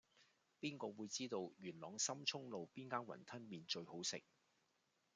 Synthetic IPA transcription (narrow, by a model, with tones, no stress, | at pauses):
piː˥nkɔː˧wuː˨˧jt͡siː˥t̪o˧wjyː˨˩nlɔː˨˥ŋsɐ˥mt͡ʃʰʊ˥ŋlo˨wpiː˥nkaː˥nwɐ̰˨˩nt̪ʰɐ˥nmiː˨˧nt͡ʃɵ˧ɥho˨˥wsɪ̰˨k̚